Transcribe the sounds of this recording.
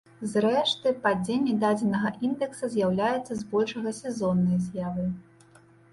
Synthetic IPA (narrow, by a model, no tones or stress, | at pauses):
zrɛʂt̪ɨpad͡zʲenʲːɛd̪ad͡zʲɛnɐɣɐʔind̪ɛksɐzʲjawlʲajɛt̪sːɐzbɔlʲʂɐɣɐsʲɛzɔnːɐjɐzʲjavɨ